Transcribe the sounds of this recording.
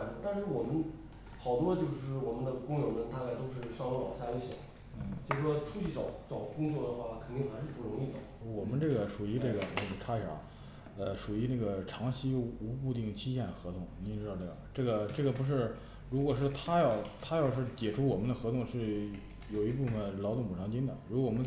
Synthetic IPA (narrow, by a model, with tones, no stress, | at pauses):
t̪a˥˧nʂɻ̩˥˩wɔ˨˩mə˦n | xɑ˨˩ʊt̪wɔ˥t͡ɕjo˥˧ʊʂɻ̩˥˩wɔ˨˩mə˦nd̪ə˧kʊ˥ŋjo˧˥mə˧˥nt̪a˥˧ka˥˩ɪt̪o˥ʊʂ̬ɻ̩˥˩ʂɑ˥ŋlɕa˥˧i˧˥ɕjɑ̰˨˧˩ | n̩˥˩t͡ɕʰi˧˥ʂɻ̩˥˩wɔ˥ʈ͡ʂʰu˥t͡ɕʰy˧˥t͡sɑ˨˧˩ʊ˥t͡sɑ˨˩ʊʈ͡ʂu˥˩kʊ˥ŋt͡swɔ˥˩d̪ə˩xwa˥˩kʰə˨˩nt̪i˥˩ŋxa˧˥ʂɻ̩˥˧pu˥˩ɻʊ˧˥ŋi˥˩d̪ə̰˩wɔ˨˩mə˧˦nʈ͡ʂɤ˥˩ɡə˩ʂu˨˩i˧˥ʈ͡ʂɤ˥˩ɡə˩nə˥˩ə˧˩ʈ͡ʂʰa˥ɕʰjɑ̰˨˩˦ | ə˧ʂu˨˩i˧˥nə˥˩ɡə˩ʈ͡ʂʰɑ˧˥ŋɕi˥u˧˥u˥˧t̪i˥˩ŋt͡ɕʰi˥ɕjɛ˥˩nxɤ˧˥t̪ʰʊ˥˩ŋni˧˥˨ɻ̩˥d̪ʈ͡ʂɤ˥˩ɡʈ͡ʂɤ˥˩ɡə˩ʈ͡ʂɤ˥˩ɡə˩p̬u˧˥ʂ̬ɻ̩˥˩ | ɻu˧˥kwɔ˨˩ʂ̬ɻ̩˥˩t̪ʰa˥jɑ˥˩ʊt̪ʰa˥jɑ˥˧ʊʂ̬ɻ̩˥˩t͡ɕjɛ˨˩ʈ͡ʂʰu˥wɔ˨˩mə˦nd̪ə˧xɤ˧˥t̪ʰʊ˥˧ŋʂɻ̩˥˩ | jo˨˩ʊi˧˥p̬u˥˩fə˩nlɑ˧˥ʊʊ˥˩ŋpu˨˩ɑ˧˥ŋt͡ɕi˥nɑə̰˨˦ɻu˧˥kɔ˥˩wɔ˨˩mə˦